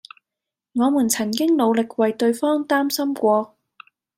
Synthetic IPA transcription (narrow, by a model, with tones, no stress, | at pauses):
ŋɔː˨˧muː˨˩nt͡sʰɐ˨˩ŋkɪ˥ŋlo˨˧wlɪ˨k̚wɐ˨jt̪ɵ˧ɥfɔː˥ŋt̪aː˥msɐ˥mkʷɔː˧